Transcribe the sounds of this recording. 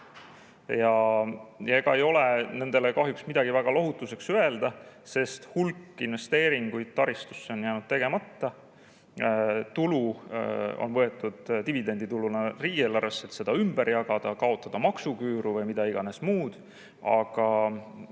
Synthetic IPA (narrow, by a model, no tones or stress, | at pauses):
jɑ | jeɡ̥ɑe̞jo̞lene̞nd̪̥e̞lekɑɦjuksmid̪̥ɑɡ̥ivæɡ̥ɑlo̞ɦut̪ːˑuse̞ksye̞ld̪̥ɑse̞st̪hulkːˑinve̞st̪e̞ːɾiŋɡ̥ujd̪̥̚t̪ɑɾist̪u̥sːe̞o̞njæːnud̪̥̚t̪e̞ɡ̥e̞mɑt̪ːɑ | t̪ulu | o̰nvɤ̞e̞t̪ːˑud̪̥t̪ivid̪e̞nʲd̪̥it̪ulunɑriːeːlːɑɾesːet̪se̞d̪̥ɑymbeɾjɑɡ̥ɑd̪̥ɑkɑo̞t̪ːˑɑd̪̥ɑmɑksukyːɾuvɤjmid̪̥ɑiɡ̥ɑne̞smuːd̪̥ | ɑ̰ɡ̥ɑ